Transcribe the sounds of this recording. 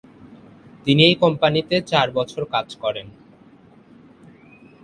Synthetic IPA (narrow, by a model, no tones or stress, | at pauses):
t̪iniejkɔmpanit̪et͡ɕaɾbɔt͡ɕʰoɾkad͡ʑkɔɾen